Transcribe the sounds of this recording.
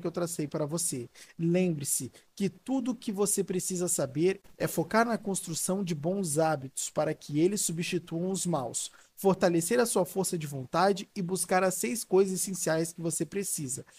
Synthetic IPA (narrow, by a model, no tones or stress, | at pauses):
kɪewt̪ɾasejpaɾɐvoselẽmbɾɪsɪkɪt̪ud̪ʊkɪvosepɾesizɐsabeɾɛfokaɾnɐkõst̪ɾusɐ̃w̃d͡ʒɪbõw̃zabit̪ʊ̥spaɾɐkʰɪelɪsːubist͡ʃit̪uɐ̃w̃ʊzmaws | foɾt̪aleseɾɐsuɐfoɾsɐd͡ʒɪvõnt̪ad͡ʒɪɪbuskaɾɐsejskojzɐzesẽsiajskɪvosepɾesizɐ